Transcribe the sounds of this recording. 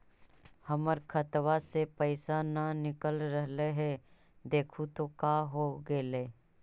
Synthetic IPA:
həməɾkʰət̪wasepəɪsananɪkəlɾəɦleɦɛ | d̪eːkʰut̪okaːɦoɡeleː

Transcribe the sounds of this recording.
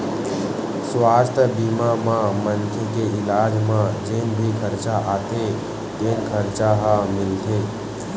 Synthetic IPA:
swaːst̪ʰəbimamãmənkʰekeɪlaːd͡ʒmãd͡ʒeːnbʱikʰəɾt͡ʃaʔaːt̪ʰe | t̪eːnkʰəɾt͡ʃaɦəmɪlt̪ʰeː

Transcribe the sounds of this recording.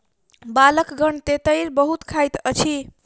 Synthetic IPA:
baləkɡəɳt̪et̪əɪɾbəɦut̪kʰajt̪ət͡ʃʰi

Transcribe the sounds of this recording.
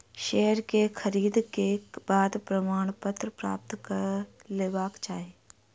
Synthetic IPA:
ʃɛːɦəɾkexʰəɾiːd̪kebaːd̪pɾɐmaːɽ̃pət̪ɾpɾa̰ːp̚t̪kəɾleːbaːkt͡ʃaːɦeː

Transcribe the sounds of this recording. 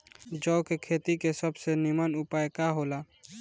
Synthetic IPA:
d͡ʒɔːkekʰeːt̪ikesəbsenɪmənʊpaːjkaɦoːla

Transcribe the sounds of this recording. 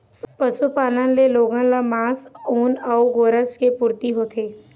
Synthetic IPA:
pəsupaːnə̃nleloːɡãlamãːsuːnɔːuɡoːɾəskepuːɾt̪iɦoːt̪ʰeː

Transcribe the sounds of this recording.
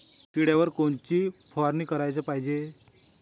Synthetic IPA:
t̪iɽjaʋəɾkoɳt͡ɕiːfʰɔaɾniːkəɾajt͡səpaɦid͡ʑe

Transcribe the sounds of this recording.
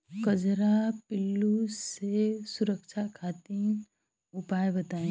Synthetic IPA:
kɐd͡ʒɾapɪlːusesʊɾəkʃʰakʰaːt̪i | ʊpaːjebɐt̪aːẽ

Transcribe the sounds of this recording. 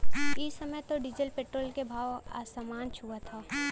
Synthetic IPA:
ɪsəməjt̪oɖɪd͡ʒəlpeːʈɾoːlkebʱaːwa̰ːsamaːnt͡ʃʰuat̪ʰaː

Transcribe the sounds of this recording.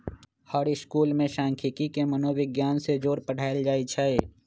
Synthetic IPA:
həɽɪskuːlmẽʃãːŋkʰɪkikemənoːʋɪɡjaːnsed͡ʒoːɾpəɽ̤aːeld͡ʒaːit͡ʃʰae

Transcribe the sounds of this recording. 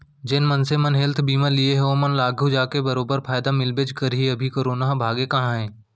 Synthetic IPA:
d͡ʒɪnmənsemənɦelt̪ʰbiːmalieɦɛomənlaːɡʱud͡ʒaːkebɐɾoːbəɾpʰaːjd̪amɪlbed͡ʒkəɾɦiɐbʱikoːɾoːnaɦbʱaːɡekɐɦãɦɛ̃ː

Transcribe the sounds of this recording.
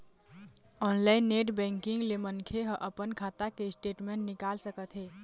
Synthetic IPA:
ɔnlaɪnːeʈbɛ̃ŋkiŋɡlemənkʰeɦə̃ʔəpənkʰat̪akeisʈeʈmeɳʈnikalsəkət̪ɦe

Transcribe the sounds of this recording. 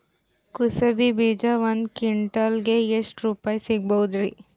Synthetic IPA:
kusɐbibiːd͡ʒaʋɐnd̪kiɳʈɐlɡeeʂʈɾuːpaːjsiɡ̚bɐɦud̪ɾi

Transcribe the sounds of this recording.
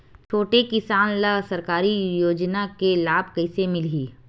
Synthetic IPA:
t͡ʃʰoːʈekɪsaːnlɐsɐɾkaːɾijoːd͡ʒnakelaːbkɐɪsemɪlɦiː

